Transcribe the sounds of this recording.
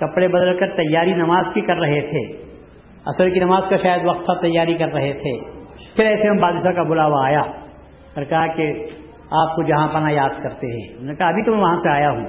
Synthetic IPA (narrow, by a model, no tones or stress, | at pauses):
kɐpɽebɐd̪əlkɐɾt̪ɐjːaːɾinɐmaːzkikɐɾːɐɦet̪ʰeː | ɐ̰səlkinɐmaːzkaʃaːjəd̪ʋɐq̚t̪ʰːat̪ɐjːaːɾikɐɾːɐɦet̪ʰeː | pʰɪɾɛːseɦɐmbaːd̪ɪʃakabʊlaːʋaːjaː | ɾkɐɦake | aːp̚kod͡ʒɐɦãpɐnajaːd̪̚kɐɾt̪eɦɛ̰̃ːʊnekɐɦɐbʱit̪ʊmɛ̃ʋɐɦãseaːjaɦũː